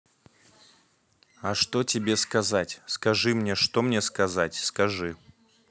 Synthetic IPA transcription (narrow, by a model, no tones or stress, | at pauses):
ɐʂt̪otʲɪbʲeskɐzatʲskɐʐɨmnʲeʂt̪omnʲeskɐzatʲskɐʐɨ